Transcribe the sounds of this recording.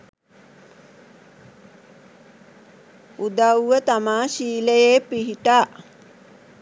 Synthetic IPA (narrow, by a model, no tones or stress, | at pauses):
ud̪awʋət̪amaːʃiːləjeːpiɦiʈaː